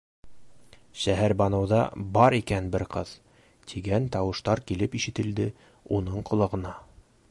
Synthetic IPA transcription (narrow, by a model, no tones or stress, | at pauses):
ʃæɦæɾbɑnɤ̆wðɑ̰bɑɾikænbɘɾqɤð | t̪ʰiɡænt̪ɑwɤ̆ʃt̪ɑɾkilɘpiʃɘ̆t̪ɘ̆ld̪ɘ | unɤɴqŏlˠɤ̆ʁɤ̆nɑ